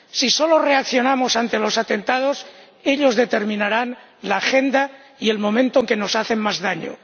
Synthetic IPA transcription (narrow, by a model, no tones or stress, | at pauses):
siso̞lore̞akθjo̞namo̞sant̪elo̞sat̪e̞nt̪að̞o̞s | e̞ʎo̞zðet̪e̞ɾmĩnaɾan | laːxe̞nd̪a | ie̞lmõ̞mẽnt̪oeŋke̞no̞saθe̞mmazðaɲo̰